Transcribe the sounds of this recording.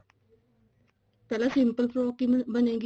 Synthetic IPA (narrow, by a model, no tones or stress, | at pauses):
t̪ɐlasimpəlfɾoːkːibəneɡ